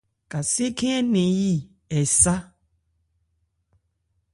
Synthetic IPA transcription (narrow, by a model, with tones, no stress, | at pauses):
ka˨se˦kʰɛ̃˦ɛ˦nẽ˨ji˦ | ɛ˨sa˦